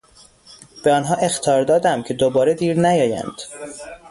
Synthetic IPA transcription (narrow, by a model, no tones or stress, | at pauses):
b̥eɒːnɦɒːʔe̞xt̪ʰɒːɾd̪ɒːd̪æmcʰe̞d̪obɒːɾe̞d̪iːɾnæjɒːjæ̰nd̪̥